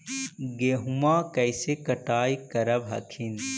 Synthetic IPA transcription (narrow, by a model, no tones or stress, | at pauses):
ɡeɦumakɐjsekəʈaːjkɐɾəbɦɐkʰin